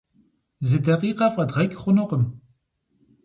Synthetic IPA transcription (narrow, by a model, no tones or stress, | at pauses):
zɨdɐqiːqɐfʼɐdʁɐkʲʼχʷʊnɨqəm